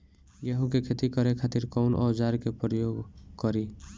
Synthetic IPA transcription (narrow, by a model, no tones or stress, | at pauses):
jəɦũkekʰet̪ikəɾekʰat̪ɪɾkɔʊnʔɔ̰ːd͡ʒaɾkepɾəjoːɡkəɾi